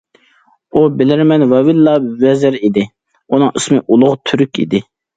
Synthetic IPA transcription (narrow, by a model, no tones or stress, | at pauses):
ubɪlɪɾmɛnvɑvɪlːɑvɛzɪɾid̪ɪ | unɨŋɨsmɨʔulˠʊʁt̪ʰyɾykʲḭd̪ɪ